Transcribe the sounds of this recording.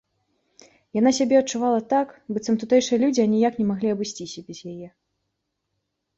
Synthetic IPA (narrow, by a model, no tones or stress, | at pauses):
janasʲabʲɛɐt͡ʂuvalˠɐt̪akbɨt̪sɐmt̪ut̪ɛjʂɨjɐlʲud͡zʲianʲijaknʲɛmaɣlʲiɐbɨsʲt͡sʲisʲɐbʲɛzjajɛ